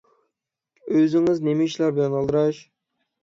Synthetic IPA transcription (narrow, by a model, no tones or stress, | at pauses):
øzɪŋɪznemɪt͡ʃʰilˠɑɾbɪlɛnɑlˠd̪ɾɑʃ